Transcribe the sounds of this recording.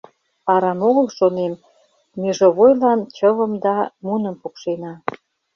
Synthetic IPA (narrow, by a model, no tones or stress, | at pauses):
pɑɾɑnoɣəlʃonemː | eʒoβojlɑnt͡ɕəβəmd̪ɑmunəmpukʃenɑ